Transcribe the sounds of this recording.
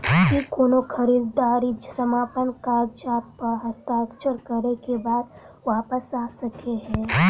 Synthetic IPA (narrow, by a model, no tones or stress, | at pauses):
kikoːnokʰɐɾiːd̪aːɾid͡ʒsəmaːpənkaːɾd͡ʒaːt̪̚pɐɾɦɐst̪aːkt͡ʃəɾkɐɾekebaːd̪̚ | ʋaːpəsaːsɐkeɦɛ̃ː